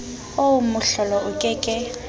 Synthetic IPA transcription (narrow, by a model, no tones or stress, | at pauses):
oʊmʊɬɔlɔʔʊkʼɛkʼɪ